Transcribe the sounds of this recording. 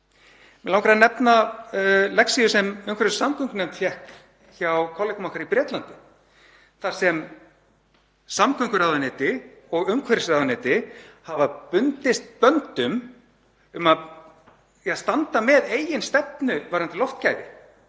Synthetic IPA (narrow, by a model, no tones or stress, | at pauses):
mɛlawŋkɾaðnɛpna | lɛksijʏsɛmʏŋkvɛɾɪ̥samkʰʏŋknɛmt̪fʰjɛhk | çawkʰɔwlejkʏmahkʰvaɾipɾjɛːt̪lant̪ɪ | θaɾ̥sɛm | samkʰʏŋkʏɾawðanɪːt̪ɪɔɣʏmkʰvɛɾsɾawðanɪːt̪ɪhavapʏnt̪ɪst̪̚pœnt̪ʏm | ʏmað | st̪ant̪amɛðeːjɪnst̪ɛpnʏvajɾant̪ɪlɔwft̪caːjvɪ